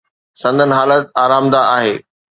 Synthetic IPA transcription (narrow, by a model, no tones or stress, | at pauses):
sɐ̃nd̪ʱənɪ̆ɦaːlət̪̚aːɾaːmd̪aʔaːɦeː